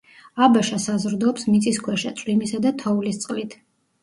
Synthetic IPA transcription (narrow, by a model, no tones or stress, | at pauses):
abaʃasazɾd̪ɔːpsmit̪sʼiskʰwɛʃat̪sʼwlimisad̪at̪ʰɔulist̪sʼqʼlit̪ʰ